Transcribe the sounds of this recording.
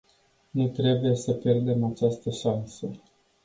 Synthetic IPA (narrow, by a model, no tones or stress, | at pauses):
nut̪ɾe̞buje̞səpje̞rd̪e̞mat͡ʃast̪əʃansə